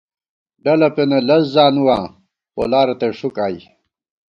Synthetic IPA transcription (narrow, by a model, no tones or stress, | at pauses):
ɖɐlɐpenɐlɐszaːnuwaː | po̰laːɾɐt̪eʂukaːj